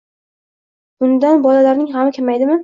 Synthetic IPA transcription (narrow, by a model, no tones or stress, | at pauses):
ʊnd̪anbɒlalaɾnɪŋɦamɪkʲʰamajd̪ɪmɪ